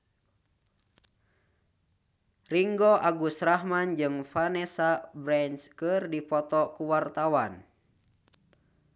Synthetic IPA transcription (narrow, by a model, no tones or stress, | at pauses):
riŋɡɔʔaɡusrahmand͡ʒɨŋfanɛsabɾɛnskərdipɔt̪ɔkuwart̪awan